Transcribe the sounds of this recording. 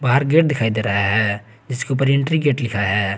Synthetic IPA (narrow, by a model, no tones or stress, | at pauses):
baːɦəɾɡeːʈ̚d̪ɪkʰaːid̪eːɾɐɦaɦɛː | d͡ʒɪskeuːpəɾɪ̃ɳʈɾiɡeːʈlɪkʰaɦɛː